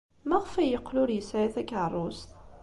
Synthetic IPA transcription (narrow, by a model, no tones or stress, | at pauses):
mæʁfæjəqːlʊɾjəsajæθækːʕərˤːost